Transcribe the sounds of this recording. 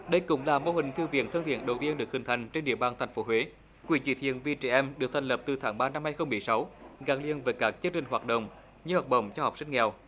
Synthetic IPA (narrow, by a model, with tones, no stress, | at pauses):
ɗə˧jkʊ̰˧˥ŋ͡mlaː˨˩mo˧hï˨˩ŋ̟t̪ʰi˧əwvi˧˨ənt̪ʰə˧ŋt̪ḭ˧˨ənɗə˨˩wt̪i˧ənɗɨ˨˩ək̚hï˨˩ŋ̟t̪ʰa˨˩jŋ̟t͡ɕe˧nɗḭ˧˨əɓaː˨˩nt̪ʰjŋ̟fo˨˦ɦwe˨˦ | kwḭ˧˩t͡ɕḭ˧˩t̪ʰḭ˧˨ənvi˧t͡ɕɛ˧˩ʔɛ˧mɗɨ˨˩ək̚t̪ʰŋ̟lə˨˩p̚t̪ɨ˨˩t̪ʰaː˨˦ŋɓaː˧na˧mhaː˧jxə˧wŋ͡mmːɨ˨˩əjsa˨˦wɣaː˨˩ŋlḭ˧˨ənvəː˨˦jkaː˦˥k̚t͡ɕɨ˧əŋt͡ɕï˨˩ŋ̟ɦwaː˨˩t̚ɗə̰˧˨wŋ͡m | ɲɨ˧hɔ˨˩k͡p̚ə̰˧˨wŋ͡mt͡ɕɔ˧hɔ˨˩wk͡p̚sï˧ŋ̟ŋɛ˨˩w